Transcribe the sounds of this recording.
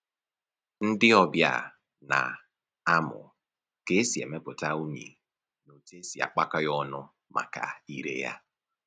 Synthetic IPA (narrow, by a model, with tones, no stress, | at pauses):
n̩˦dɪ˦ɔ˦bja̰˦ | na̰˨ | a˦mʊ̰˨ | ke˦si˨ḛ˨me˦pʊ˨ta˦u˦ɲḛ˨ | no˨te˦si˨a̰˨k͡pa˦ka˦jɔ˦nʊ˦ | ma̰˨ka̰˨i˨ɾḛ˦ja̰˦